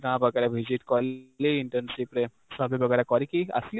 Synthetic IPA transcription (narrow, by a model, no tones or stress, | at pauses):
ɾãːbɐɡɛːɾeʋʱid͡ʒiʈkɔːliiɳʈəɾnsipɾe | sɐbʱibɐɡɛːɾekɔɾikiɐ̰sli